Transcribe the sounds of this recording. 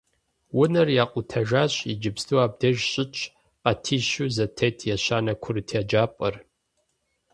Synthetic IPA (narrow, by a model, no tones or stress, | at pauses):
wʊnɐrjaːqʷʼʊtʰɐʒaːɕʼid͡ʒɪbstuwaːb̚dɐʒɕʼɪt͡ʃʼ | qɐtʰiːʃuzɐtʰetʰjɛɕaːnɐkʷʰʊrtʰad͡ʒaːpʼɐr